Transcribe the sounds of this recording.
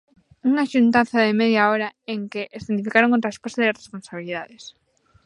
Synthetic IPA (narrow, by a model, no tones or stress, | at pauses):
uŋaʃunt̪aθaðemeðjaoɾaeŋkeʔesðent̪ifikaɾoŋkont̪ɾaesposaðeasresponsaβ̞iliðaðes